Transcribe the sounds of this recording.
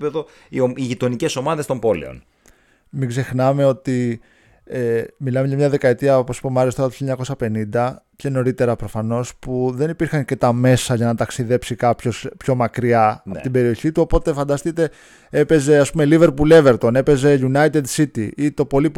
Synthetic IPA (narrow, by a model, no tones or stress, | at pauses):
peðo | ioiʝit̪o̞nice̞so̞mɐðest̪o̞mbo̞lḛo̰n | miɡze̞xnɐme̞o̞t̪i | emilɐme̞ʝɐmɲɐðe̞kɐet̪iɐoposi̥po̞mɐɾest̪ɐt̪oçijɐɲɐko̞sɐpe̞nind̪ɐ | ce̞no̞ɾit̪e̞ɾɐpɾo̞fɐno̞spuðe̞nipiɾxɐnce̞t̪ɐme̞sɐʝɐnɐt̪ɐksiðe̞psikɐpço̞spço̞mɐkɾiɐot̪ibe̞ɾio̞çit̪uo̞po̞t̪e̞fɐnd̪ɐst̪it̪e̞ | e̞pe̞ze̞ɐspume̞live̞ɾpule̞ve̞ɾt̪o̞ne̞pe̞ze̞ʝunɐit̪ed̪sit̪ḭit̪o̞po̞lip